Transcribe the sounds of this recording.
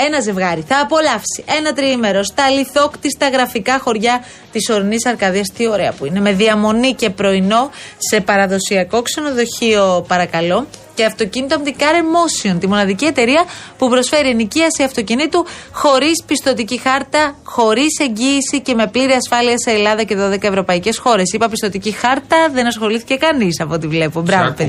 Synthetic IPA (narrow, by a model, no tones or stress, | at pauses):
e̞nɐze̞vɣɐɾiθɐːpo̞lɐfsiʔe̞nɐt̪ɾiime̞ɾo̞st̪ɐliθo̞kt̪ist̪ɐɣɾɐfikɐxo̞ɾʝɐ | t̪iso̞ɾinisɐɾkɐðiɐst̪io̞ɾe̞ɐpuine̞me̞ðiɐmo̞nice̞pɾo̞ino̞se̞pɐɾɐðo̞siɐko̞kse̞no̞ðo̞çio̞pɐɾɐkɐlo̞ce̞ɐft̪o̞cinit̪omt̪ikɐɾemo̞sio̞nt̪imo̞nɐðicie̞t̪e̞ɾiɐpupɾo̞sfe̞ɾieniciɐsiɐft̪ocinit̪uxo̞ɾispist̪o̞t̪icixɐɾt̪ɐxo̞ɾise̞ɲɟiːsice̞me̞pliɾiɐsfɐliɐseːlɐðɐce̞ðo̞ðe̞kɐevɾo̞pɐice̞sxo̞ɾe̞sipɐpist̪o̞t̪icixɐɾt̪ɐðe̞nɐsxo̞liθice̞kɐnisɐpoot̪ivle̞pubɾɐv